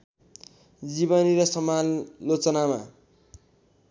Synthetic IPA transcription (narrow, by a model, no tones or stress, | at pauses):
d͡zibʌniɾʌsʌmalot͡sʌnama